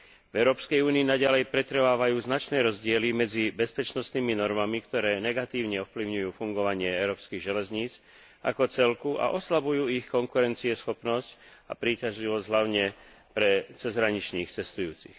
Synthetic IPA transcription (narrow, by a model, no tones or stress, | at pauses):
vɛʊɾɔːpskɛjuːniːnaɟalɛjpɾɛt̪ɾʋaːʋajuːznat͡ʃnɛːɾɔzɟɪɛlimɛd͡zibɛspɛt͡ʃnɔst̪niːminɔɾmamikt̪ɔɾɛːnɛɡat̪iːʊɲɛɔfpliʊɲujuːfuŋɡɔʋaɲɪɛɛʊɾɔːpskiɣʒɛlɛzɲiːt͡s | a̰kɔt͡sɛlkuʔa̰ʔɔslabujuːixkɔŋkuɾɛnt͡siɛsxɔpnɔsca̰pɾiːcaʒliʋɔzɟɦlaʊɲɛ | pɾɛt͡sɛzɦɾaɲit͡ʃniːxt͡sɛst̪ujuːt͡sḭx